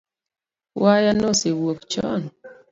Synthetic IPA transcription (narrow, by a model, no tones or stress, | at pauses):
wajanosewokt͡ʃɔ̰n